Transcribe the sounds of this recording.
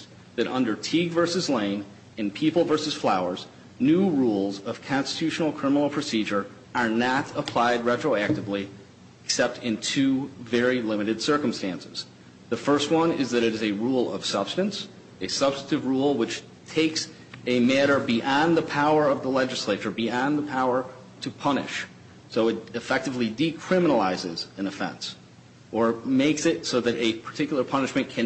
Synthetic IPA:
ðɨɾʔʌ̃ndə˞tʰiɡvɜ˞sɨzlẽɪ̃n | ɨ̃npʰipl̩ˠvɜ˞sɨz̥flaʊə˞z | nʉɹulˠzʌv̥kʰɑ̃nstɨ̥tʰʉʃn̩l̩ˠkʰɹ̥ɪ̃mənl̩ˠpʰɹ̥ɨsid͡ʒə˞ | ə˞nəɾəpʰl̥aɪd̚ɹɛtɹ̥oʊæk̚tɨvli | ɨksɛp̚tʰɨ̃ntʰʉvɛɹilɪ̃mɨɾɨd̥sɜ˞km̩stæ̃nsɨz̥ | ðɨfɜ˞st̚wʌ̃nɪ̰zðɨɾɨɾɨzɨɹulˠʌ̰v̥sʌb̥stɨ̃ns | ɨsʌb̥stɨɾɨvɹulˠwɨt͡ʃ | tʰeɪks | ɨmæɾə˞biʔɑ̃nðəpʰaʊə˞ʌvðəlɛd͡ʒɨsleɪt͡ʃə˞biɑ̃nðəpʰaʊə˞ | ɾɨpʰʌnɨ̰ʃ | soʊɨtɨfɛk̚tɨvlidikʰɹ̥ɪ̃mənl̩aɪzɪzɨ̃nɨfɛ̰̃ns | ʔə˞meɪksɪt̚soʊðɨɾʔɨpʰə̥˞tʰɪkjl̩ˠə˞pʰʌnɨʃmɨ̃nkʰɨ̃

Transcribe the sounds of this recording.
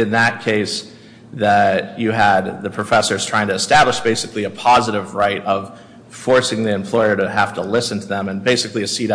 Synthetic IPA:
ɨ̃nðɨt̚kʰeɪs | ðɨt͡ʃɨəd̪̚ðɨpʰɹ̥ɨfɛsə˞z̥tʰɹ̥aɪɪ̃ŋtʰɨɨstæbləʃb̥eɪsɨkliɨpʰɑzəɾɨvɹaɪɾʌv̥ | fɔɹsɪ̃ŋðiɨ̃mpʰl̥ɔɪə˞ɾɨhæftəlɪsn̩tʰɨðə̃mɨ̃nbeɪsɨkliɨsiɾ

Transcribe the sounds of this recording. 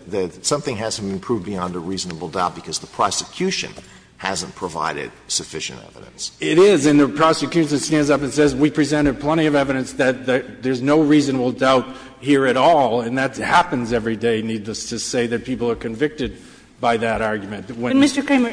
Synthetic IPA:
ðɨtsʌ̃mθɪ̃ŋɦæz̥tɨbɨ̃npʰɹ̥uv̚biɑ̃ndəɹiznəbl̩ˠdaʊt̚b̥ɨkʰʌzðəpʰɹ̥ɑsɨkʰj̥ʉʃɨ̰̃n | hæ̰zə̃npʰɹ̥əva̰ɪɾɪ̰d̥̚sɨfɪʃɨ̰̃ntɛ̰vɨ̰ɾɨ̰̃nsɪɾɪzɨ̃nðɨpʰɹ̥ɑsɨkʰj̥ʉʃɨ̃nstæ̃ndzʌpɨ̃nsɛzwipʰɹ̥izɛ̃ɾ̃ɨpʰl̥ɛ̃ɾ̃iʌvɛvɨɾɨ̃nsðɨt̪̚ðɨt̪̚ðə˞znoʊɹizɨnəbl̩ˠdaʊt̚ | hiɹɨɾɔlˠɨ̃nðɨthæpɨ̃nzɛvɹideɪnidˡləstʰɨseɪðɨt̚pʰipl̩ˠə˞kʰɨ̃ɱvɪk̚tɨd̚ | baɪðɨɾɑɹɡjmɨ̃ntwɨ̃nmɪstə˞kʰẽɪmə

